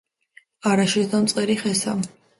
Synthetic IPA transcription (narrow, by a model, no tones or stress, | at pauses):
aɾaʃɛd̪amt̪sʼqʼɛɾiχɛsa̰